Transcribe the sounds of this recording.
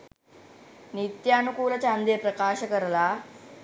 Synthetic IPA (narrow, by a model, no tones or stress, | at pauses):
nit̪jaːnukuːlɐt͡ʃaːnd̪ijpɾɐkaːʃɐkɐɾɐla